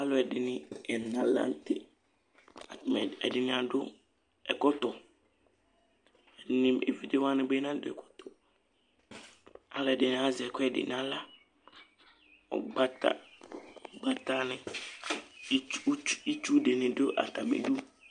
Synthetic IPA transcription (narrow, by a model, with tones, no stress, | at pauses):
a˦lʊ˨ɛ˨dɪ˨nɪ̃˦ɛ˨nã˦lã̰˦n˦tʰɪ̰˦ | a˨m˨ɛ̰˨dɪ˨nɪ̃˨a˨dʊ˦ | ɛ˨kɔ˦tɔ˨ | ɛ˨dɪ˨nɪ̃˦ḛ˨vi˦de˦wa˦nɪ̃˦be˦nã˦dʊ˦ɛ̰˨kʰɔ̥˦tʰɔ˨ | a˨˦lʊ˨ɛ˨dɪ˨nɪ̃˨˦a˦zɪ˨ɛ˨kʰɛ˨dɪ̰˨nã˦la˦ | ɔ̰˨ɡ͡ba˦tʰa̰˦˨ | ɡ͡ba˦ta˦nɪ̃˨˦ | i˦t͡ʃu˦dɪ˨nɪ̃˨dʊ˦ʔa̰˨tʰa˨mḛ˨du˦